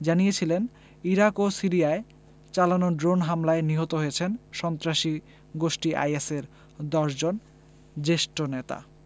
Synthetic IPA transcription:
d͡ʑanijet͡ɕʰilen | iɾakosiɾiae | t͡ɕalanoɖɾonɦamlaeniɦot̪oɦojet͡ɕʰenʃɔnt̪ɾaʃi | ɡoʃʈiʔa̰jeseɾ | d̪ɔʃd͡ʑon | d͡ʑeʃʈonet̪a̰

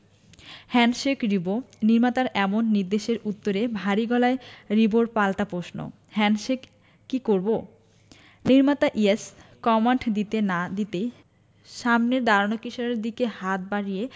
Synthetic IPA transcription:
hɛnʃekɾiboniɾmat̪aɾɛmonːiɾd̪eʃeɾut̪ːoɾebʱaɾiɡɔlaeɾiboɾpalt̪apɾoʃno̰ | hɛnʃekː | ikoɾbo | niɾmat̪aʔieskɔmaɳʈd̪it̪enad̪it̪ej | ʃamneɾd̪aɾanokiʃoɾeɾd̪ikehat̪̚baɽije

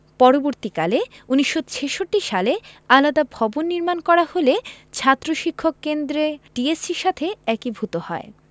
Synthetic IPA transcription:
pɔɾoboɾt̪ikaleuniʃːot͡ɕʰeʃoʈːiʃalealad̪abʱɔbonːiɾmankɔɾaholet͡ɕʰat̪ːɾoʃikʰːokːend̪ɾeʈiesiɾʃat̪ʰeɛkibʱut̪ohɔe

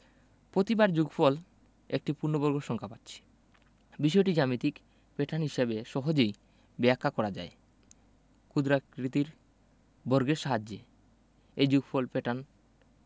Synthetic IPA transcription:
pɾot̪ibaɾd͡ʑuɡfʰɔl | ek̚ʈipuɾnobɔɾɡoʃɔŋkʰapat̪ːɕʰi̥ | biʃ̬ɔeʈid͡ʑamit̪ik | peʈʰanɦiʃebeʃɔɦod͡ʑej | bɛakʰːakɔɾad͡ʑa̰e | kud̪ɾakɾit̪iɾ | bɔɾɡeɾʃaɦad͡ʑːe | ejd͡ʑuɡfʰɔlpeʈan

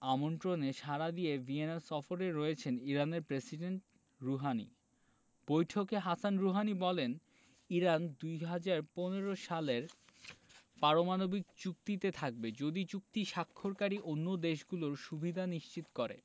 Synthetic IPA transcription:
amont̪ɾoneʃaɾad̪ievienaɾsɔfoɾeɾojet͡ɕʰeniɾaneɾpɾesiɖeɳʈ̚ | ɾuɦanḭ | b̥ojʈʰokeɦasanɾuɦanibɔlen | iɾand̪ujɦad͡ʑaɾponeɾoʃaleɾ | paɾomanobik̚t͡ɕuk̚t̪it̪et̪ʰak̚bed͡ʑod̪it͡ɕuk̚t̪iʃakʰːoɾkaɾiʔonːod̪eʃɡuloɾʃubʱid̪ʱaniʃt͡ɕit̪kɔɾḛ

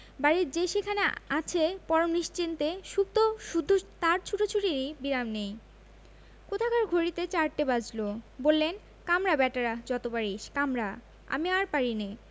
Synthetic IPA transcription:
baɾiɾd͡ʑeʃekʰaneat͡ɕʰepɔɾomniʃt͡ɕint̪eʃub̚t̪oʃud̪ʱːot̪aɾt͡ɕʰuʈot͡ɕʰuʈeɾibiɾamnej | kot̪ʰakaɾɡʱoɾit̪et͡ɕaɾʈebad͡ʑlobolːen | kamɾabɛʈaɾad͡ʑɔt̪obaɾiʃkamɾa | a̰miaɾpaɾine

